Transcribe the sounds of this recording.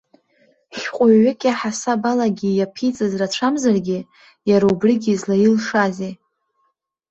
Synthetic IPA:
ʃqʷʼʊɥːɪkʲʼaħasabalaɡʲijapʰit͡sʼazrat͡ʃʷʰamzarɡʲɪ | jaɾaubriɡʲizlajilʂaze

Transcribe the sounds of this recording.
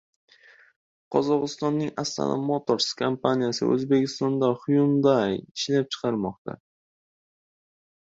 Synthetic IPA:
qʰɒzɒʁɨst̪ɒnːɪŋast̪a̰nʔa̰mot̪ʰoɾskʰampʰanijasɪ̰ʔɵ̰zbe̞kʰʲɪst̪ɒnd̪aχʊjʊmd̪ajɪʃlap̚t͡ʃʰɨ̥qʰɑɾmɒqt̪ʰa̰

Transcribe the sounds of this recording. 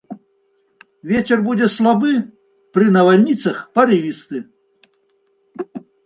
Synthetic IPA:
vʲet͡sʲɛrbud͡zʲɛslˠabɨ | pɾɨnɐvalʲnʲit̪sɐxpɐɾɨvʲist̪ɨ

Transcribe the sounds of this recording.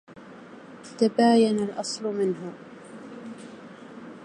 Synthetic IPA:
t̪abaːjanalʔɑsˤlʊmɪnɦʊ

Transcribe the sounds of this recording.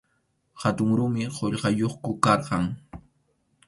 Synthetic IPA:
hat̪ʊŋɾʊmɪqoʎɢɑjoχkʊkɑɾqɑŋ

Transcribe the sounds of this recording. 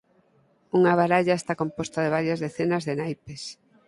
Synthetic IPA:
uŋaβ̞aɾaʎaest̪akompost̪aðeβ̞aɾjɐzðeθenazðenajpes

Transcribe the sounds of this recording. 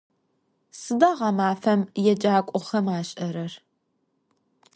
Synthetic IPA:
sɨdɐʁɐmaːfɐmjɛd͡ʒaːkʷʼʊχɐmaːɕʼɐɾɐr

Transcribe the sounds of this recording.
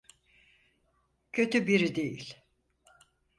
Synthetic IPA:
cʰø̞t̪ybiɾid̪ejḭlʲ

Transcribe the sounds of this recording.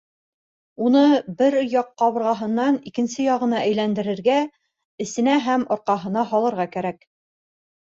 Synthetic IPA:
unɤbɘɾjɑqːɑβɤ̆ɾʁɑɦɤ̆nːɑnikɘ̆nsɘjɒʁɤ̆nɑʔæjlænd̪ɘ̆ɾɘ̆ɾɡæ | ɘ̆sɘ̆næɦæmŏɾqɑɦɤ̆nɑɦɒlˠɤ̆ɾʁɑkæɾæk

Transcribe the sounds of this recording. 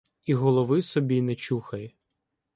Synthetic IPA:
iɦɔlˠɔʋɪsɔbʲinɛt͡ʃuxɐjɛ

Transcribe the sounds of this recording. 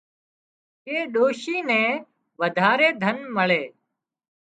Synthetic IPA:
eːɗoːʃiːnɛ̃ː | ʋəd̪ʱaːɾeːd̪ʱənməɭeː

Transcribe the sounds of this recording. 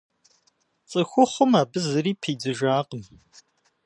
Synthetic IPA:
t͡sʼɐxʷʊχəmaːbɨzɨɾiːpʰiːd͡zɨʒaːqəm

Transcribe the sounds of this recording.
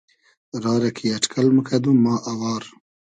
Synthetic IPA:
ɾɑːɾakʰiaʈkʰalməkʰad̪umɑːʔawɑːɾ

